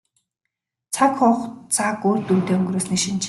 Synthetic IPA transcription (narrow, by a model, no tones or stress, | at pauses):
t͡sʰakχʊχt͡sʰakoːr̥t̪uːt̪eːɵŋɡ̆ɾoːsniːʃint͡ɕʰ